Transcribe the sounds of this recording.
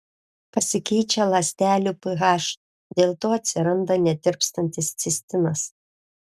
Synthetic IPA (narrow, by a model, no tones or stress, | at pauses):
pɐsʲɪkʲɛɪt͡ʃʲɛlˠɐsʲt̪ʲæːlʲupɨɣɑːʃ | d̪ʲeːlˠt̪oːɐt̪ʲsʲɪɾɐnd̪ɐnʲɛt̪ʲɪɾpst̪ɐnʲt̪ʲɪst̪sʲɪsʲt̪ʲɪnɐs